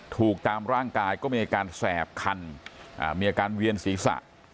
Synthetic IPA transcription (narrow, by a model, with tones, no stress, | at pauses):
t̪ʰuː˨˩k̚t̪aː˧mɾaː˥˩ŋkaː˧jkɔː˥˩miː˧ʔaː˧kaː˧nsɛː˨˩p̚kʰa˧nʔa̰ː˨˩miː˧aː˧kaː˧nwi˧ənsiː˩˦sa̰˨˩ʔ